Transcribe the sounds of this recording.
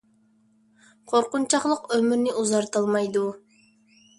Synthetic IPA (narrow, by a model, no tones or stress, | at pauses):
qʰoɾqʊnt͡ʃʰɑχlˠəqømyɾnɪʔuzɑɾt̪ɑlˠmɑjd̪u